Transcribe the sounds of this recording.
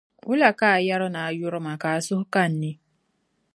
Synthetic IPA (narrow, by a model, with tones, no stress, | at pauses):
ʊ˦la˨ka˦a˨ja˦ɾʊ˦na˨a˨jʊ˦ɾʊ˦ma˨ka˨a˨sʊ˦hʊ˦ka˦˨n̩˨ne˦